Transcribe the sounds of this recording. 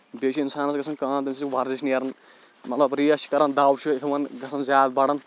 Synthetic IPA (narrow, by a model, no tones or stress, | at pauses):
beʃʰiinsaːnɐsɡɐsʰɐnkãːnd̪imsʰibɐɾd͡ʒiʃʰniɐɾɐn | mɐt̪lɐbɾijɐʃi̥kɐɾɐnd̪aːwt͡ʃʰikʰʋɐnɡɐsʰɐnzʲjaːd̪̚bɐɽɐn